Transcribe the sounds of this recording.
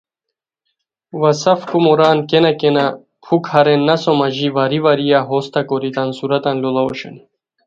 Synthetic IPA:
vasafkʼumɔɾankʼɛnakʼɛna | pʰukhaɾɛnːasɔmaʒivaɾivaɾijaɦɔst̪ʰakʼɔɾit̪ʼansuɾat̪ʼanlɔlˠaɔ̰ʃɛ̰n

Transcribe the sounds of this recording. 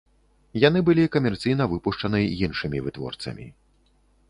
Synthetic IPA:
jan̪ɨbɨlʲikɐmʲɛrt̪sɨjnɐvɨpuʂt͡ʂɐnɨjinʂɨmʲivɨt̪vɔ̰rt̪sɐ̰mʲḭ

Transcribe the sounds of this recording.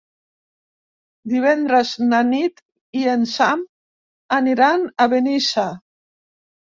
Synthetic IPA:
d̪iβ̞ɛnd̪ɾəznanit̪ | iensam | aniɾanaβenisa

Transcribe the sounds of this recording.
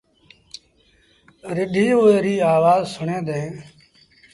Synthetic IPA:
ɾɪɖʱiːɦoːeːɾiːaːʋaːzsʊɳẽːd̪ẽː

